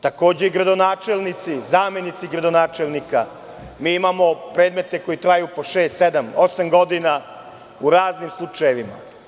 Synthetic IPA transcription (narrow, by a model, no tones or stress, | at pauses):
t̪ako̞ːd͡ʑeiɡɾad̪onaːt͡ʃe̞lˠnit̪sizaːme̞nit̪siɡɾad̪onaːt͡ʃelˠnika | miːimamo̞pɾe̞ːd̪me̞t̪e̞ko̞jit̪ɾaːjupoʃe̞ːst̪se̞d̪amo̞samɡo̞d̪ina | uɾaːznimslˠut͡ʂajeʋima̰